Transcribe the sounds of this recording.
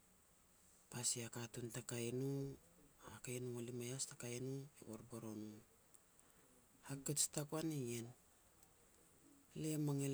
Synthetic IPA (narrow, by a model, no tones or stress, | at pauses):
pasiakatuntakainu | akajnuŋalimajastakajnuḛβo̰ɾboɾonu | hakːet͡ʃtakuanijen | lemaŋel